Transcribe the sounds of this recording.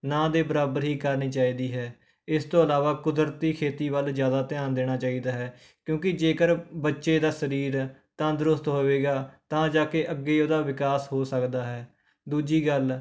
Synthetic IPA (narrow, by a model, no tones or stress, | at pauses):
nãːd̪eːbəɾaːbəɾɦiːkəɾniːt͡ʃaːiːd̪iːɦɛː | ɪst̪õːəlaːʋaːkʊd̪ɾt̪iːkʰeːt̪iːʋəlzjaːd̪aːt̪ɪjãːnd̪eːɽ̃aːt͡ʃaːiːd̪aːɦɛː | kjõːkɪd͡ʒeːkəɾbətːʃeːd̪aːsəɾiːɾt̪ãːd̪əɾʊst̪ɦoːʋeːɡaːt̪ãːd͡ʒaːkeʔəɡːeːoːd̪aːʋɪkaːsɦoːsəkd̪aːɦɛː | d̪uːd͡ʒiːɡəl